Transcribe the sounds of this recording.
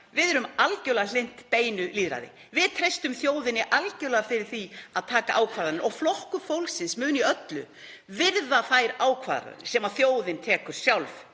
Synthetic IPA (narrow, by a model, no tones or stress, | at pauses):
vɪðɛɾʏmalcœwlaɣal̥ɪn̥t̪peːjnʏliːðɾa̰jðɪ̰ | vɪðt̪ʰɾejst̪ʏmθjoːwðɪnːɪʔalcœwlaðafɪɾɪɾ̥θiaðt̪ʰaːkaʔaːwkʰaɾðanɪɾʔɔ̰ɣflɔhkʏfowlksɪnsmʏːniœt̪lʏ | vɪɾðaθajɾaːwkʰva̰ðɾa̰sɛmaðθjoːwðɪnt̪ʰɛːkʏɾ̥sjawlv